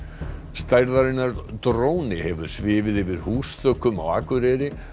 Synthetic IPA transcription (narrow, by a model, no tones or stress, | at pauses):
st̪ajɾðaɾɪnːaɾt̪ɾoːwnɪhɛvʏɾ̥svɪːvɪðɪvɪɾ̥huːsθœkʏma̰wa̰ːkʏɾɛːɾɪ